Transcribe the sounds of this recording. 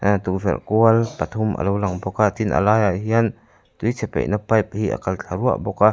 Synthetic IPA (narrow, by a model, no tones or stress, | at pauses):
t̪uk̚vɛ̰lkuəlpat̪ʰumʔə̰lowlaŋbɔkat̪inʔə̰laːjaɦiɐn | t̪ujt͡sʰɛpɛ̰ʔnapɐjp̚hiʔə̰kɐlt͡ɬʰaɾua̰ʔbɔka